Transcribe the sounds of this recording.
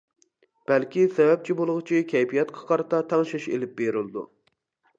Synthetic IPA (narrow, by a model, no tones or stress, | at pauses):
b̥ælkʲisɛvɛp̚t͡ʃʰibolˠʊʁʊt͡ʃʰikʲʰɛjpijɛt̪qʰɑ̥qʰɑɾɨt̪ʰɑt̪ʰɑŋʃiʃḛlɪp̚beɾɪlˠɨd̪ṵ